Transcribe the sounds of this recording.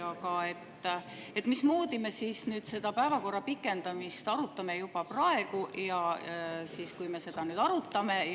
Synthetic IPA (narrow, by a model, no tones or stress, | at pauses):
ɑkɑe̞t̪ː | e̞t̪ˑmismoːd̪̥ime̞siːsnyːd̪̥se̞d̪̥ɑpæevɑko̞rːɑpikːˑe̞nd̪̥ɑmist̪ɑɾut̪ːˑɑme̞jub̥ɑprɑe̞ɡujɑsiːskujme̞se̞d̪̥ɑnyːd̪ɑɾut̪ːˑɑme̞